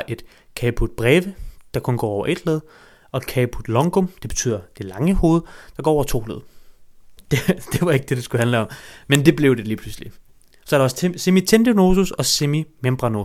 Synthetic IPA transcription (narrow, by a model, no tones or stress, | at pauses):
ʔe̝d̥ | kʰɛːpʰud̥̚b̥ʁɛːʋəd̥ɑ̈kʰo̽nɡ̥ɒ̰ːɒʊɐʔe̝d̥leð̞̩ˠ | ɒ̽d̥kʰɛːpʰud̥lɒ̽ŋɡ̥ɔmd̥ebe̝̥t͡sʰy̰ːð̰ˠɐd̥e̝lɑ̈ŋəho̝ːð̞̩ˠd̥ɑɡ̥ɒ̰ːɒ̰ʊɐt͡sʰo̝̰ːleðˠ | d̥ed̥e̝ʋɑ̈e̝ɡ̥əd̥e̝d̥esɡ̥uhænləɒ̽mmend̥e̝b̥le̝ʊd̥e̝liːpʰlusli | sɒ̽ɐɾ̥eɒ̽ssemit͡sʰend̥eno̝ːsusɒ̽semimemb̥ʁɑno̝